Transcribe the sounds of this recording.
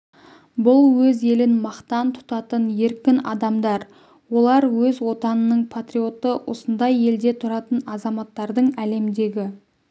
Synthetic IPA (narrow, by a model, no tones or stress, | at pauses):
bʊlˠwɵze̞lɪnmɑqt̪ɑnt̪ʰʊ̥t̪ɑt̪ənje̞ɾkʲɪnɑ̰d̪ɑmd̪ɑɾ | wo̞lˠɑɾwɵzwo̞t̪ɑnənəɴpʰat̪rio̞t̪əwʔo̞̰sənd̪ɑje̞ld̪e̞t̪ʰʊɾɑt̪ənɑzɑmɑt̪ːɑɾd̪əɴæle̞md̪e̞ɡʲɪ